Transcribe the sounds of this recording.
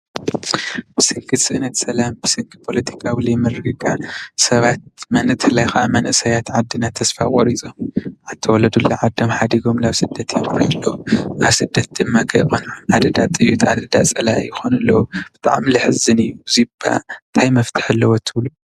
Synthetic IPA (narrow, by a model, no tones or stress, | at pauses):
b̥ɨsɨŋɡʰɨt̪sɨʔnɐt̪sɐlambɨsɨŋkɨpʰo̞lɐt̪ʰi̥kʰawilemɨɾɨɡɨɡasɐβat̪̚mɐnɨt̪ʰɨlajxaʔamɐnʔɨsɐjat̪ʕad̪ːɨnat̪ʰːɐsfakʼoɾit͡sʼomʕat̪ʰɐwɔlɐd̪ulːaʕad̪ːɐmħad̪iɡo̞mlaβsɨd̪ːɐt̪jɛɾɾiɐlːɐʔaβsɨd̪ːɐt̪̚d̪ɨmːakʰɐjxonʕad̪ɐd̪at̪ʼɨjːut̪ʰʕad̪ɐd̪at͡sʼɐlajɪxonɨlːɐwub̥ɨt̪ʼa̰ʕmlɨħɨzɨnɨjːuziba̰nt̪ʰajmɐft̪ʰɨ̥ħɨlːɐwot̪ʰɨβlu